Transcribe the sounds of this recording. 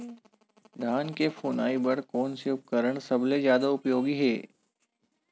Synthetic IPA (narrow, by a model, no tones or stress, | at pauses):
d̪ʱaːnkefoːnaːibɐɽkɔːnseʊp̚kəɾəɽ̃sɐblezjaːd̪aʊpjoːɡiɦeː